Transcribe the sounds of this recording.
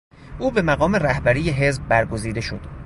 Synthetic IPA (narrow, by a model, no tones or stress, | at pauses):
ʔuːbe̞mæɣɒːme̞ræhbæɾiːjeɦe̞zb̚ːæɾɡo̞ziːd̪e̞ʃo̞̰d̪̥